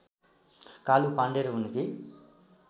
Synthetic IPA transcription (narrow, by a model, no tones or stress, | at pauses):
kaːlupaɳɖeɾuuniki